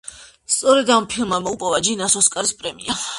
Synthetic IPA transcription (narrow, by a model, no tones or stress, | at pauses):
st̪sʼɔɾɛd̪ampʰilˠmamɔupʼɔvad͡ʒinasɔskʼaɾispʼɾɛmḭa